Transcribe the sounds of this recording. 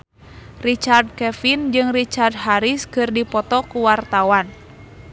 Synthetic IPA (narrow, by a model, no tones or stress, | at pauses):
rit͡ʃard̚kɛfind͡ʒɨŋrit͡ʃard̚ɦaɾiskɨrdipɔt̪ɔkuwart̪awan